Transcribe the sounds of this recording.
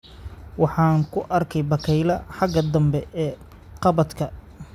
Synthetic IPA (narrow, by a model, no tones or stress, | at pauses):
wɑħɑːŋkʰʊʔɐrkʰɛjbɐkʰɛjlɐħɑɡɐd̪ɐmbɛɛː | qɑβɐd̪kʰɐ